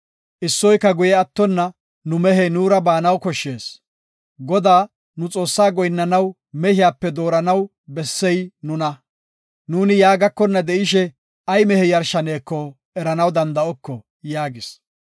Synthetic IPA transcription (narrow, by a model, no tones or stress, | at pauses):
ʔɪsːɔjkːɐɡʊjɛɐt̪ːɔnːɐ | nʊmɛɦɛnuːɾɐbaːnɐwkɔʃːeːs | ɡɔd̪aː | nʊt͡sʼo̞ːsːaːɡɔjnːɐnɐw | mɛhɪjaːpːɛd̪o̞ːɾɐnɐw | bɛsːɛjnʊnɐ | nuːnɪjaːɡɐkːɔnːɐd̪ɛʔɪʃ̬ɛ | ɐjmɛhɛjɐɾʃɐne̞ːkːɔ | ʔɛɾɐnɐwd̪ɐnd̪ɐɔkːɔ | jaːɡɪs